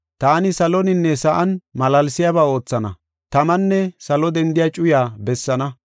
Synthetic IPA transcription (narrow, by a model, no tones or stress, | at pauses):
t̪aːnɪsɐlɔnɪnːɛsɐʔɐnmɐlɐlsɪjabaːo̞ːt͡sːɐnɐ̰ | t̪ɐmɐnːɛsɐlɔd̪ɛnd̪ɪjat͡ʃʼʊjaːbɛsːɐnɐ